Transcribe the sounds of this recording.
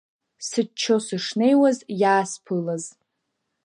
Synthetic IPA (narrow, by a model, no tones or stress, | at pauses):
sɨt͡ʃʰːo̞sɨʂne̞jwazjaːspʰɨlaz